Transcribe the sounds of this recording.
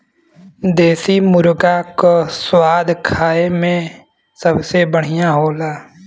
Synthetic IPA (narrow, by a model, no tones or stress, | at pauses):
d̪eːsimʊɾɡakoswaːd̪kʰaːemẽ | səbsebəɽ̤ijãɦoːlaː